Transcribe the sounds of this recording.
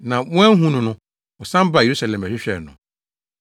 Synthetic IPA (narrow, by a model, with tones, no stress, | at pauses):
nã˨wɔ̃˦ɛ˦ɦũ˦nʊ̃˨nʊ̃˦ | ɔ˨sã˦m˦ba˦˨e˨ɾu˦sa˨lɛ̃˨mæ˨ɕᶣɪ˦ɕᶣɛ̰˨nʊ̰̃˨